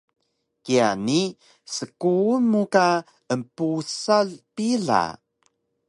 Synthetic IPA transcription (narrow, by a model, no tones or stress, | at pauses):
kiani | səkunuka | əmpusalpiɮa̰